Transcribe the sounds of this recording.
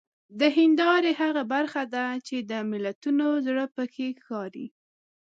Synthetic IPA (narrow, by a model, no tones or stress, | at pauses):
d̪əɦɪnd̪ɑɾeɦaɣabaɾxad̪at͡ʃed̪əmɪlat̪unozɽəpəkʰexɑɾḭ